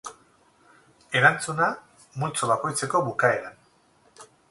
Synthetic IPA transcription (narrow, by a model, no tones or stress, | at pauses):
e̞ɾant͡suna | mult͡soβako̞jt͡se̞ko̞βukae̞ɾan